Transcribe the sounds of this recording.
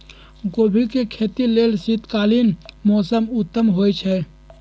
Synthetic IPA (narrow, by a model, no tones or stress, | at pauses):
ɡoːbʱikekʰeːt̪ileːlsit̪kaːlinmɔːsəmʊt̪ːəmɦoːjt͡ʃʰɛː